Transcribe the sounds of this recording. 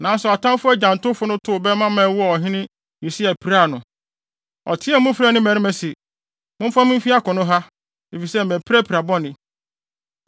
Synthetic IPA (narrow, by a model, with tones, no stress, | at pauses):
nã˨˦n˦sɛ˨ɔ˨tʰã˦mfʊ˦æ˦d͡ʑã˨n˨tʊ˦fʊ˦nʊ̃˦tʰʊ˦˨bɛ˦mã˦mã˨˦wʊ˦ɔ˦˨ɔ˨ɦɪ̃˦nɪ̃˦ | ji˨si˦æ˨pʰi˨ɾa˦˨nʊ̃˨ | ɔ̰˨tʰɪ˦ɛ˦mʊ̃˦fɾa˨nɪ̃˦mæ̃˨ɾɪ̃˦mɛ̃˨si˨ | mʊ̃˦m˦fã˦mɪ̃˦m̩˦fi˦a˦kʊ̃˨nʊ̃˦ɦa˦ | e˨fi˨sɛ˦˨mæ̃˨pʰi˦ɾæ˦pʰi˨ɾa˨bɔ˦nɪ̃˨